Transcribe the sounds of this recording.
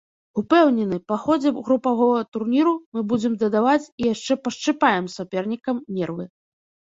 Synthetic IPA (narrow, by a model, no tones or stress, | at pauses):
upɛwnʲɛnɨpaxɔd͡zʲɛɣɾupaɣɔvɐɣɐt̪urnʲiɾumɨbud͡zʲɛmd̪ɐd̪avat͡sʲijaʂt͡ʂɛpɐʂt͡ʂɨpajɛmsapʲɛrnʲikɐmnʲɛrvɨ